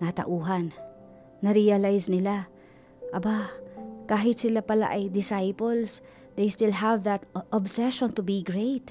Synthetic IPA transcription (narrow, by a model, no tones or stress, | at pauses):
nat̪ɐ̰ʔuːɦanː | ɐɾialajsnɪla | ʔɐbakaːɦɪt̪sɪlapɐla̰ʔɐjd̪ɪsajpols | d̪ejst̪ɪlɦavðɐt̪ʔɔbsɛʃɔ̃nt̪ʊbiɡɹejt̪̚